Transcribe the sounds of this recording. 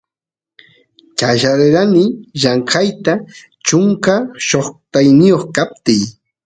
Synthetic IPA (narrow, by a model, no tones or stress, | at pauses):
t͡ʃaʃaɾeɾanɪʎaɴkajt̪a | t͡ʃʊŋkaʃoχt̪ajnɪjoχkap̚t̪ɪj